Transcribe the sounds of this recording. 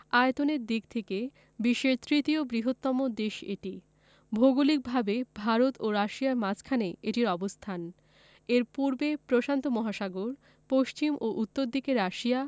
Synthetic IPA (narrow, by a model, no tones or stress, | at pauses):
aet̪oneɾd̪ik̚t̪ʰeke | biʃːeɾt̪ɾit̪iobɾiɦot̪ːɔmod̪eʃḛʈi | bʱoɡulik̚bʱabebʱaɾot̪oɾaʃijaɾmad͡ʑʰkʰaneeʈiɾɔbost̪ʰan | eɾpuɾbepɾoʃant̪omɔɦaʃaɡoɾ | poʃt͡ɕimʔoʔut̪ːoɾd̪ikeɾːaʃia